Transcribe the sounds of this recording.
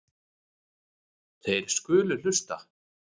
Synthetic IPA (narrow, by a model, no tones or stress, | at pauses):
θejɾ̥skʏːlʏl̥ʏst̪a̰